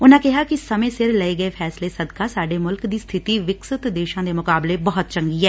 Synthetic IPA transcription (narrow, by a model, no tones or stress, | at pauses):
ʊnãːkɪɦaːkɪsəmẽːsɪɾləeːɡəeːpʰɛːsleːsəd̪kaːsaːɖeːmʊlkd̪iːst̪ʰɪt̪iːʋɪksɪt̪d̪eːʃãːd̪eːmʊkaːbleːbəɦʊt̪̚t͡ʃə̃ŋɡiːɦɛː